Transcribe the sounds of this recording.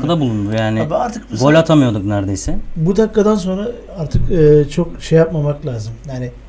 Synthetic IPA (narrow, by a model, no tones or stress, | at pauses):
kad̪abulˠund̪ujaːnɪbaɾt̪ʰɯ̥kbolʲat̪ʰamɯjo̞d̪uknæɾd̪ejsɛbud̪akːad̪ans̬o̞nɾa | aɾt̪ʰɯkɯːt͡ʃʰo̞kʃejːap̚mamaklʲaːzɯmjaːnɪ